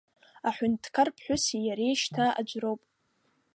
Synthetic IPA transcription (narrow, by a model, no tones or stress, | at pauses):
aħʷʊntʰkʰarpʰħʷᶣʊsijaɾejʃtʰaa̰d͡ʒʷrowpʼ